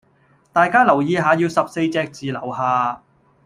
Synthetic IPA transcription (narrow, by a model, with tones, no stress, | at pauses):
t̪aː˨˧jkaː˥lɐ˨˩wjiː˨˧ɦaː˨˧jiː˧wsɐ˨p̚se˧jt͡sɛː˧k̚t͡siː˨lɐ˨˩whaː˨